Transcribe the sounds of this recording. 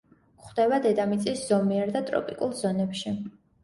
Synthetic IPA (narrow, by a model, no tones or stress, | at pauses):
χd̪ɛbad̪ɛd̪amit̪sʼisz̥ɔmiɛɾd̪at̪ʼɾɔ̰pʼikʼulˠzɔnɛpʃi